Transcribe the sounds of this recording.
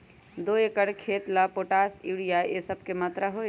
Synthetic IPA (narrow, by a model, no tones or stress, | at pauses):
d̪oːeːkəɽkʰeːt̪lapoːʈaːsiːɽijaʔeːsəb̚kemaːt̪ɾaɦoe